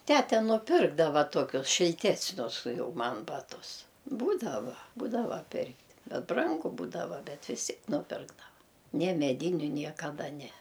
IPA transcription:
ˈtʲætʲɛ nʊˈpʲɪrɡdɐʋɐ ˈtuɔkʲʊs ʃʲɪlʲˈtʲæːsʲnʲʊs ˈjɛʊ ˈmɐn ˈbɑːtʊs ˈbuːdɐʋɐ ˈbuːdɐʋɐ ˈpʲɪrktʲ ˈbʲɛt ˈbrɐŋɡʊ ˈbuːdɐʋɐ ˈbʲɛt ʋʲɪs ˈtʲiɛk nʊˈpʲɪrɡdɐʋɐ nʲɛ mʲɛˈdʲiːnʲʊ nʲiɛkɐˈdɐ ˈnʲɛ

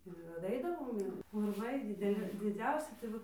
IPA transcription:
ɪr dɐˈɐɪdɐʋoːm ˈɪr ʊrˈʋɐɪ dʲɪdʲɛˈlʲɪ dʲɪˈd͡zʲɛʊsʲɪ tɐɪ ˈʋɐ

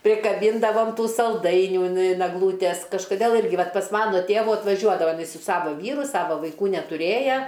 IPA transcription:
pʲrʲɪkɐˈbʲiːndɐʋɐm ˈtuː sɐlˠˈdɐɪnʲuː ɪn ɪn ɛɡˈlˠuːtʲɛs kɐʃkoːˈdʲeːlˠ ˈɪrʲɡʲɪ ˈʋɐt pɐs ˈmɑːnoː ˈtʲeːʋʊ ɐtʋɐˈʒʲuɔdɐʋɐ ɪˈnɐɪ sʊ ˈsɑːʋoː ˈʋʲiːrʊ ˈsɑːʋoː ʋɐɪˈkuː nʲɛtʊˈrʲeːjɛ

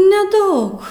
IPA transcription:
nʲɛˈdɐʊk

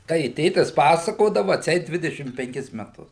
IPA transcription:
ˈtɐɪ ɪ ˈtʲeːtʲɪs ˈpɑːsɐkoːdɐʋʊ ɐtʲˈsʲɛɪt ˈdʲʋʲɪdʲɛʃʲɪm pʲɛŋʲˈkʲɪs mʲɛˈtʊs

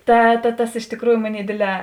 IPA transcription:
ˈtɐ tɐ ˈtɐs ɪʃ tʲɪkˈruːjʊ ˈmoːˌnʲeːɪ ˈdʲeːdʲˌlʲɛː

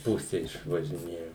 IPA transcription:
ˈpʊsʲɛ ɪʃʋɐʒʲɪˈnʲeːjoː

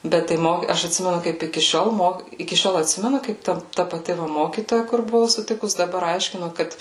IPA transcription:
ˈbʲɛt tɐɪ ˈmoːkʲiː ˈɐʃ ɐtʲˈsʲɪmʲɛnʊ ˈkɐɪp ɪkʲɪ ˈʃʲoːlˠ ˈmoːk ɪkʲɪ ˈʃʲoːlˠ ɐtʲˈsʲɪmʲɛnʊ kɐɪp ˈtɐ tɐ pɐˈtʲɪ ˈmoːkʲiːtoːjɛ kʊr bʊˈʋɐʊ sʊˈtʲɪkʊs dɐˈbɐr ˈɐɪʃʲkʲɪnoː ˈkɐt

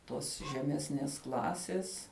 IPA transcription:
ˈtoːs ʒʲɛˈmʲæːsʲnʲeːs ˈklˠɑːsʲeːs

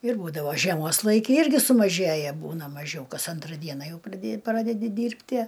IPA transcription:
ɪr ˈbuːdɐʋoː ʒʲiɛˈmoːs ˈlˠɐɪkʲɪ ˈɪrʲɡʲɪ sʊmɐˈʒʲeːjɛ ˈbuːnɐ mɐˈʒʲɛʊ ˈkɐs ˈɐntrɐ ˈdʲiɛnɐ ˈjɛʊ prɐˈdʲeː ˈprɑːdʲɛdʲɪ ˈdʲiːrʲpʲtʲiɛ

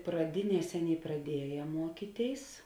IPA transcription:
prɐˈdʲɪˌnʲiɛs ˈɑːˌnʲeːɪ prɐˈdʲiɛjɛ ˈmuɔkʲiːˌtʲeːɪs

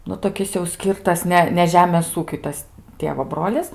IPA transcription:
ˈnʊ toːˈkʲɪs jɛʊ ˈsʲkʲiːrtɐs ˈnʲɛ nʲɛ ˈʒʲæːmʲeːs ˈuːkʲʊɪ ˈtɐs ˈtʲeːʋoː ˈbroːlʲɪs

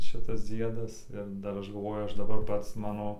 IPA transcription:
ˈʃʲɪtɐs ˈd͡zʲiɛdɐs ɪr ˈdɐr ˈɐʃ ɡɐlˠˈʋoːjʊ ˈɐʃ dɐˈbɐr ˈpɐts ˈmɑːnoː

